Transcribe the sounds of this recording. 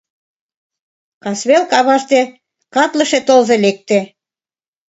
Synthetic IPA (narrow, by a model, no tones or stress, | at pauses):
kɑsβelkɑβɑʃt̪e | kɑt̪lə̆ʃet̪olzelek̚t̪ĕ